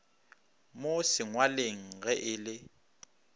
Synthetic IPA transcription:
mosɪŋwaleŋ̩ɣɛʔɪlɪ

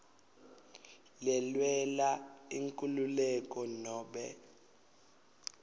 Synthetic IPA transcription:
lɛlwɛlaiŋkʼululɛkʼɔnɔːɓɛ̰

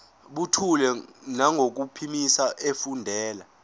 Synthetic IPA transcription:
ɓutʰulɛnaŋʱok̬upʰimisaʔefundʱɛːla

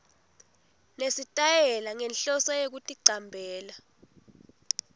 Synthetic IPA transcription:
nesitʼajɛlaŋɛnɬɔsɔjek̬utʼiǀambʱɛːla

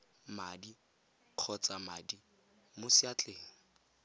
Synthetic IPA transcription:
madi | q͡χʰɔt͡sʼamadi | mʊsiat͡ɬʼeːŋ̩

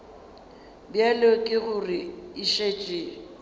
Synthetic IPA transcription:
bjalokʼɪɣʊrɪiʃet͡ʃʼiː

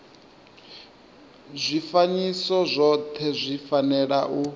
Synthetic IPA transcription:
zʷifaɲisɔzʷɔt̪ʰɛzʷifanɛɺaʔu

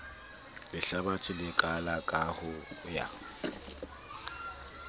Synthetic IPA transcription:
lɪɬabat͡sʰʼɪlɪkʼalakʼahʊja̰

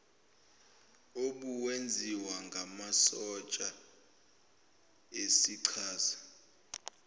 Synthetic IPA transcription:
oɓuwend͡zʱiwaŋɡʱamasɔt͡ʃʼa | esiǀʰaːsḁ

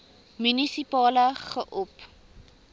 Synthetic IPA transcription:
mynisipɑːləχəʔɔp

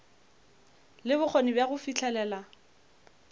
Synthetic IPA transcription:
lɪbʊk͡xʰɔnibjaɣʊfit͡ɬʰɛlɛːla

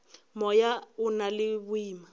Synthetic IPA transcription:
mɔjaʊnalɪbʊiːma

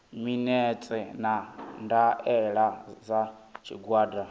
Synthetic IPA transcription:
minɛt͡sʼɛnandaɛɺad͡zat͡ʃʰḭɡwaːda

